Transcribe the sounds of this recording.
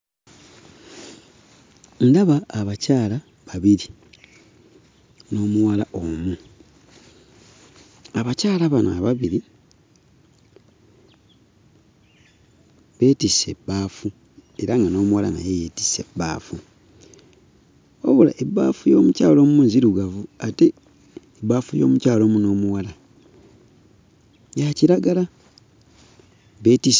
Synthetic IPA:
ndaβaːβacaːla | βaβiɾi | no̞ːmuwalaʔomu | aβacaːlaβanaβaβiɾi | βe̞ːtise̞bːaːfu | e̞ɾaŋɡano̞ːmuwala̰na̰jejeti̥se̞̰bːa̰ːfu | woβula̰ʔebːaːfujo̞ːmucaːlo̞ːmumuːnziɾuɡavuate̞ː | baːfujo̞ːmucaːlo̞ːmuno̞ːmuwala | jaciɾaɡala | βe̞ːtis

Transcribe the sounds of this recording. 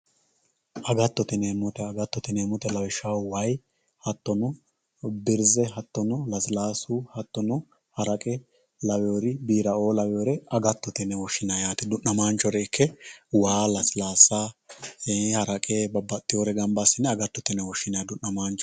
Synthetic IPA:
ʔɐɡɐt̪ːɔt̪ɪneːmːɔt̪ɛɐɡɐt̪ːɔt̪ɪneːmːɔt̪ɛlɐwɪʃɐwwɐj | hɐt̪ːɔnɔ | bɪɾzɛɦɐt̪ːɔnɔlɐslaːsʊhɐt̪ːɔnɔ | hɐɾɐkʼɛ | lɐwɛjoɾɪbiːɾɐoːlɐwɛjoɾɛɐɡɐt̪ːɔt̪ɪnɛwɔʃːɪnajaːt̪ɪd̪ʊnːɐmaːnt͡ʃːɔɾɛɪkʰːɛwaːlɐslaːsːa | ehɐɾɐkʼeːbɐbːɐt̪ʼːɪjoɾɛɡɐmbasːɪnɛɐɡɐt̪ːɔt̪ɪnɛwɔʃːɪnad̪ʊnːɐmaːnt͡ʃɔ̥

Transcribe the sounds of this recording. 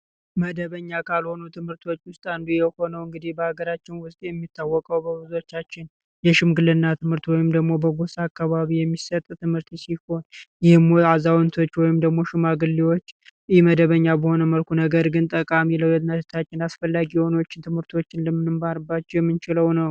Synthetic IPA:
məd̪əβəɲːakʰalho̞nut̪ʰɨmhɨɾt̪ʰo̞t͡ʃːwʊst̪ʼand̪ujɛho̞nəwɨŋɡɨd̪ihbəhaɡəɾat͡ʃːɪnwʊzt̪ʼejɛmːit̪ʰːawːɔkʼəwbəbɨzo̞t͡ʃːat͡ʃːɪn | jɛʃɪmɡɨlɨnːat̪ʰɨmhɨɾt̪wɔjɪmd̪əɡmo̞bəɡo̞sakːaβaβijɛmːisət̪ʼt̪ʰɨmhɨɾt̪ʰisiho̞njɪhmazawnt̪ʰo̞t͡ʃːwɔjɪmd̪əɡmo̞ʃɪmaɡɨlːiwot͡ʃːɪhməd̪əβəɲːabəho̞nəməlkʰunəɡəɾɡɨnt̪ʼəkʼamiləwjɛnəd͡ʒt̪ʰat͡ʃːɪnasfəlːaɡiho̞no̞t͡ʃːɪt̪ʰɨmhɨɾt̪ʰo̞t͡ʃːɪnləmːɨnɨmbaɾɨbːat͡ʃːɛjɛmːɨnt͡ʃɪləwnəw

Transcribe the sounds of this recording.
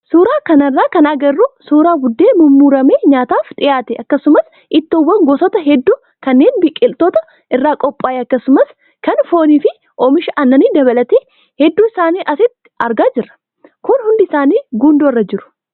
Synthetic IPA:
suːɾaːkɐnɐrːaːkɐnɐɡɐrːʊsuːɾaːbʊd̪ːe̞ːmʊmːuːɾɐmeːɲaːt̪aːfᶑ̪ʼɪjaːt̪ɛʔɐkːɐsʊmɐs | ʔɪt̪ːɔwːɐŋɡɔsɔt̪ɐɦɛd̪ːuː | kɐnːe̞ːnbɪkʼːɪlt̪oːt̪ɐ | ʔɪrːaːkʼɔpʼːaːjɐkːɐsʊmɐs | kɐnfo̞ːniːfɪ | ʔoːmɪʃɐʔɐnːɐniːd̪ɐβɐlɐt̪eː | hɛd̪ːuːɪsaːniːʔɐsɪt̪ː | ɐɾɡaːd͡ʒɪrːɐ̥ | kʊnhʊnd̪ɪɪsaːniːɡuːnd̪orːɐd͡ʒɪɾʊ̥

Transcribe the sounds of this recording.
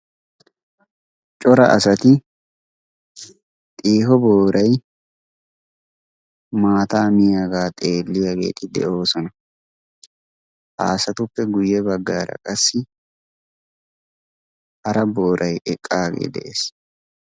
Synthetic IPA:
t͡ʃʼɔɾɐʔɐsɐt̪ɪ | t̪ʼiːhɔboːɾʔɐj | maːt̪aːmɪjaɡaːt̪ʼe̞ːlːɪjaɡe̞̰ːt̪ɪd̪ɛ̰ʔo̞ːsɔnɐ | ha̰ːsɐt̪ʊpːɛɡʊjːɛbɐɡːaːɾɐ̰kʼɐsːɪ | hɐɾɐbo̞ːɾʔɐjʔɛkʼːaːɡḛːd̪ɛ̰ʔeːs

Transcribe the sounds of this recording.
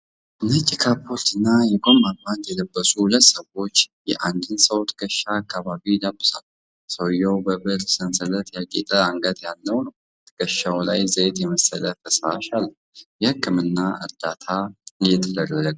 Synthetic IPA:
ɨnət͡ʃʼikʰapʰːolt̪ʰɨnːajɛɡʼomːammand̪jɛləbːəsuhʊlət̪ːsəwo̞t͡ʃːjɛ̰ʔand̪ɨnsəwt̪ʰɡəʃːaːkʰːaβaβid̪əbːɨsal | səwjɛwbəbɨɾsənsələt̪jakʼit̪ʼəaŋɡət̪jalːəwnəw | t̪ɡ̥əʃːawlajzəet̪jɛməsələfʰəsaʃalː | jɛhɨkʰːɨmɨnːaɨ̰ɾd̪at̪ʰaɨjɛt̪ʰəd̪ələləɡ

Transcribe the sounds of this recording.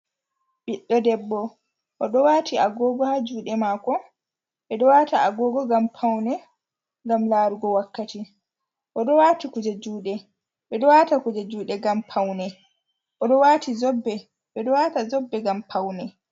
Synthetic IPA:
ɓiɗːɔdɛbːɔ | ʔɔɗɔwaːtiaɡɔːɡɔhad͡ʒuːɗɛmaːkɔ | ɓɛɗɔwaːtaaɡɔːɡɔɡampʰawnɛ | ŋɡamlaːɾuɡɔwakːati | ʔɔɗɔwatikud͡ʒad͡ʒuːɗɛ | ɓɛɗɔwaːtakud͡ʒad͡ʒuːɗɛɡampʰawnɛ | ʔɔɗɔwatizɔbːɛ | ɓɛɗɔwatazɔbːɛɡampʰawnɛ

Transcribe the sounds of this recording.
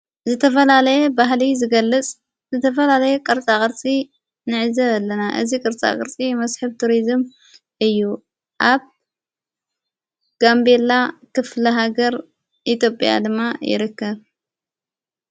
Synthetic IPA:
zɨt̪ʰɐfɐlalɐjebaɦlizɨɡɐlːɨt͡sʼ | zɨt̪ʰɐfɐlalɐjekʼɨɾt͡sʼakʼɨɾt͡sʼi | nɨʕɨzɐlːɐnaʔɨzikʼɨɾt͡sʼa̰kʼɨ̰ɾt͡sʼimɐsħɨβt̪ʰuɾizɨm | ʔɨjːu | ʔaβ | ɡ̥ambe̞lakɨflɐɦaɡɐɾ | ʔit̪ʰjo̞pʼja̰d̪ɨmːajɪ̰ɾɨkːɐβ

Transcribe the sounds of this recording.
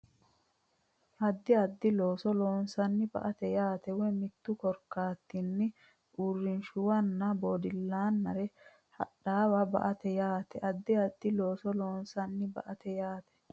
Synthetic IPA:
ʔɐd̪ːɪɐd̪ːɪlo̞ːsɔloːnsɐnːɪbɐ̰ʔɐt̪ɛjaːt̪ɛwɛmɪt̪ːʊkɔɾkaːt̪ːinːɪ | ʔuːrːɪnʃʊwɐnːɐboːd̪ɪlːaːnːɐɾɛ | hɐ̰ɗaːwɐbɐ̰ʔɐt̪ɛjaːt̪ɛʔɐd̪ːɪɐd̪ːɪloːsɔloːnsɐnːɪbɐ̰ʔɐt̪ɛjaːt̪ɛ̥

